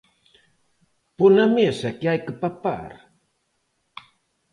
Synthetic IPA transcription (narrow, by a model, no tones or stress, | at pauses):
ponamesakeajkəpapa̰ɾ